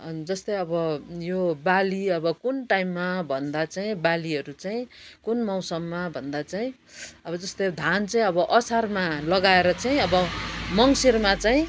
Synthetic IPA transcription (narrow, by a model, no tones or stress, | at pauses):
ʌnd͡zʌst̪ʌjʌbʌjobaliʌbʌkunʈaimːabʱʌnd̪at͡saĩbaliɦʌɾut͡saĩkunmʌwsʌmːabʱʌnd̪at͡saĩ | ʌbʌd͡zʌst̪ʌd̪ʱant͡saĩʌbʌʔʌsarmalʌɡaeɾʌt͡saĩʌbʌmʌŋsirmat͡saĩ